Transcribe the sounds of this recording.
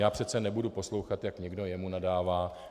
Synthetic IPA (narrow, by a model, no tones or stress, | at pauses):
jaːpr̥ɛt͡sɛnɛbudupo̞slo̞wxat̪jakɲɛɡdo̞jɛmunadaːvaː